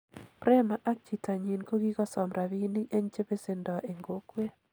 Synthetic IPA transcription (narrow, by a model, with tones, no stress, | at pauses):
pɾɛ˦ma˨ʔa˦k̚t͡ʃi˨ta˨ɲi˨nko˦ɡi˦kɔ˦sɔ˨mɾa˨βi˦ni˦ʔe˦ɲt͡ʃe˦be˦se˦ndɔ˨ʔe˨ŋɡo˦kwe˦